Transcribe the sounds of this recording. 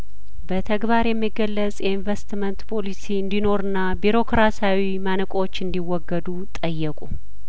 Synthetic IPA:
bət̪ʰəɡbaɾjɛmːiɡəlːət͡sʼjɛinvest̪mənt̪pʰo̞lisiɨnd̪ino̞ɾɨnːabiɾo̞kɾasawimanɨkʼot͡ʃːɨnd̪iwɔɡːəd̪ut̪ʼəjːɛkʼu

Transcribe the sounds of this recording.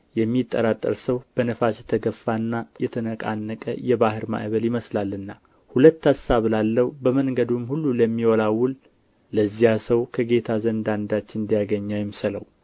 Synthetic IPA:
jɛmːit̪ʼːə̰ɾat̪ʼːə̰ɾsəwb̥ənəfasjɛt̪ʰəɡəfːanːajɛt̪ʰənəkʼa̰nːəkʼə̰jɛβahɨɾma̰ʔβəljɪməslalːɨnːa | hulət̪ːasaβlalːəwubəməŋɡəd̪umhulːuləmːiwɔlawːʊl | ləzːihasəwkʰəɡe̞t̪ʰazənd̪and̪at͡ʃːɪnɨnd̪ijaɡəɲːajɛmsələw

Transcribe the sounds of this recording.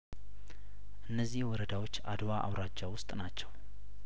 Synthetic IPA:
ʔɨnːəzːihwɔɾəd̪awo̞t͡ʃːa̰d̪waʔa̰wɾad͡ʒːawʊst̪ʼnat͡ʃːɛw

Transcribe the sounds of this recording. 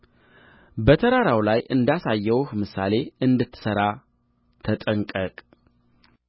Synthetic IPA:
bət̪ʰəɾaɾawlajʔɨnd̪asajːɛwhmɨsa̰le̞ɨnd̪ɨt̪ʰːɨ̥səɾa | t̪ʰət̪ʼəŋkʼəkʼ

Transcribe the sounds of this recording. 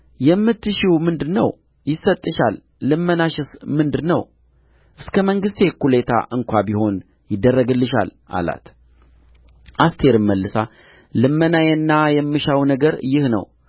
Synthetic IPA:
jɛmːɨt̪ʰːɨʃiwmɨnd̪ɨnəw | jɪsːət̪ʼːɨʃalː | ɨmːənaʃɨsmɨnd̪ɨnəw | ʔɨskʰəməŋɡɨst̪ekulet̪ʰa̰ʔɨŋkʷabiho̞n | jɪd̪ːərːəɡɨlːɨʃa̰lʔa̰la̰t̪ | ʔast̪ʰe̞ɾɨmːəlːɨsa | lɨmːənajɛnːajɛmːɨʃawnəɡəɾjɪhnə̰w

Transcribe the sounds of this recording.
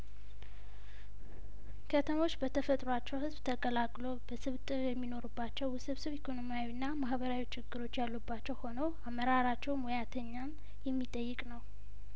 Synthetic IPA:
kʰət̪ʰəmo̞t͡ʃːbət̪ʰəfət̪ʼɾoat͡ʃːɛwhɨzbt̪ʰəkʼəlakʼlo̞b̥əsɨβt̪ʼɨɾjɛmːino̞ɾubːat͡ʃːɛwsɨβsɨβikʰo̞no̞mijawinːamahbəɾawit͡ʃʰːɪɡːɨɾo̞t͡ʃːjalːubːat͡ʃːɛwho̞nəwamːəɾaɾat͡ʃːɛwmojat̪ʰəɲːam | jɛmːit̪ʼəjːɪkʼnəw

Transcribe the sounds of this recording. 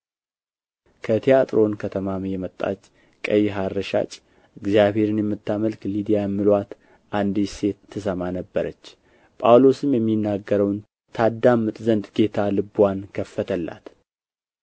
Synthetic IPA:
kʰət̪ʰijat̪ʼɾo̞nkʰət̪ʰəmamjɛmət̪ʼːa̰t͡ʃː | kʼəjɦaɾːəʃa̰t͡ʃʼ | ʔɨɡzijaβhe̞ɾɨnjɛmːɨt̪ʰːaməlklid̪ijamɨlwat̪ | ʔand̪ise̞t̪ʰːɨsəmanəbːəɾət͡ʃː | pʼawlo̞sɨmjɛmːinːaɡːəɾəwn | t̪ʰad̪ːamːɨt̪ʼzənd̪ɡe̞t̪ʰalɨbwankʰəfːət̪ʰəlːa̰t̪

